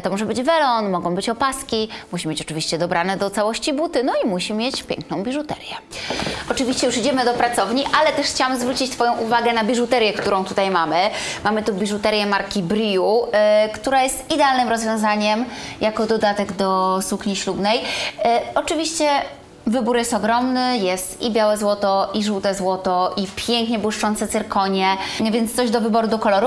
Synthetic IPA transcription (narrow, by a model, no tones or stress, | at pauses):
t̪ɔmɔʐɛbɘd͡ʑvɛlɔnmɔɡɔ̃w̃bɘt͡ɕɔpaskʲimuɕimʲet͡ɕɔ̥t͡ʂɘvʲiɕt͡ɕɛd̪ɔbɾanɛd̪ɔt̪sawɔɕt͡ɕibut̪ɘnɔimuɕimʲjet͡ɕpʲjɛ̰ŋknɔ̃w̃bʲiʐut̪ɛ̰ɾjɛ | ɔt͡ʂɘvʲiɕt͡ɕɛjuʂid͡ʑɛmɘd̪ɔpɾat̪sɔvɲiʔalɛt̪ɛʂxt͡ɕawamzvɾut͡ɕit͡ɕt̪fɔjɔ̃w̃ʔuvaɡɛnabʲiʐut̪ɛɾjɛkt̪uɾɔ̃w̃t̪ut̪ajmamɘmamɘt̪ubʲiʐut̪ɛɾjɛmaɾkʲibɾijukt̪uɾajɛst̪id̪ɛalnɘmɾɔzvʲjɔ̃w̃zaɲɛmjakɔd̪ɔd̪at̪ɛɡd̪ɔsukɲiɕlubnɛj | ɔt͡ʂɘvʲiɕt͡ɕɛ | vɘbuɾjɛst̪ɔɡɾɔmnɘjɛst̪ibʲjawɛzwɔt̪ɔʔiʐuwt̪ɛzwɔt̪ɔʔipʲjɛŋkɲɛbwuʂt͡ʂɔnt̪sɛt̪sɘɾkɔɲɛvʲjɛnt̪st̪sɔʑd̪ɔvɘbɔɾud̪ɔkɔlɔɾu